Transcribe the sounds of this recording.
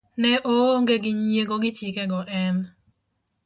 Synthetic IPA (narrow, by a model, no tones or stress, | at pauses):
nɛʔoŋɡeɡɪɲjeɡoɡɪtjikɛɡɔʔɛn